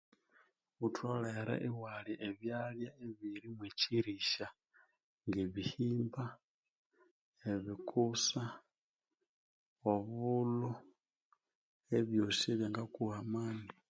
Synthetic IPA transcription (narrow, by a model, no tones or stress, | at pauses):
utʰwoleɾḛʔiwaliʔeβjaljaeβiɾimweciɾiʃa | ŋɡeβihiːmba | eβikʰusa | oβulo | eβjosiβjaŋɡakuhamaːni